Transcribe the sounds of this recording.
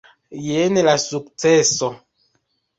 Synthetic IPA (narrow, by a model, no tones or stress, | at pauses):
jenelasuk̚t͡seso